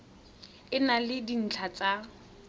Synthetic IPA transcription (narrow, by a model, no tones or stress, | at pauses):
ɪnalɪdin̩t͡ɬʰat͡sʼa